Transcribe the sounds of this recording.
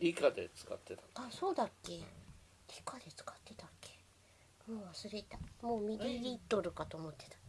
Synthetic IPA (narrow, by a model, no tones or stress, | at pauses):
ikad̪ḛt͡sɨ̥ka̰t̪ːet̪ḁaso̞ːd̪akːe̞ | ikad̪e̞t͡sɨ̥kḁt̪ːe̞t̪akʰːe̥ | moːβasɨɾe̞t̪amo̞ːmʲiɾʲiɾʲit̪ːo̞ɾɯ̟kat̪o̞ːmo̞t̪ːe̞̥t̪ḁ